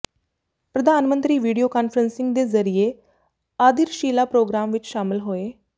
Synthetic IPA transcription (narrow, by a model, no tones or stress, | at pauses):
pɾəd̪ʱaːnmə̃nt̪ɾiːʋiːɖijoːkaːnpʰɾənsɪ̃ŋɡ̚d̪eːzəɾieː | aːd̪ɪɾʃiːlaːpɾoːɡɾaːmʋɪt͡ʃʃaːmɪlɦoːeː